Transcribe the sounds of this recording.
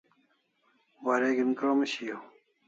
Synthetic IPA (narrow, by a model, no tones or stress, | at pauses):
waːɾeːɡinkomɐɕijo